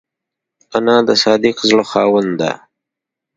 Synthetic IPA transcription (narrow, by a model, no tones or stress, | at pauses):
anɑ̃ːd̪əsɑːd̪iqzɽoxɑːwənd̪a̰